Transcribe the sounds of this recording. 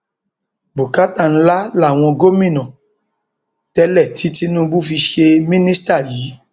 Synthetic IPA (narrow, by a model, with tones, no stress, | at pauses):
bo˨ka˨˦ta˦˨n̩˦la˦la˦˨w̃ɔ̃˧ɡo˦mĩ˦˨nã˨ | tɛ˧lɛ˦˨ti˨˦ti˦nũ˦bu˦fi˧ʃe˧mĩ˦nĩ˦sta˦˨jiː˨˦